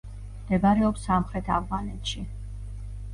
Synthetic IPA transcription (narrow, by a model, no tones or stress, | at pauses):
md̪̥ɛbaɾɛɔpsamχɾɛt̪ʰa̰vʁanɛt̪ʃi